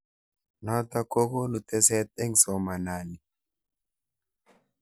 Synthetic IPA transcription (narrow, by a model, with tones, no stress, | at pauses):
nɔ˦t̪a˦ko˦ko˦nu˨t̪ːɛ˦se˦t̪̚ɛ˦ŋsɔ˨ma˨naː˨ni˨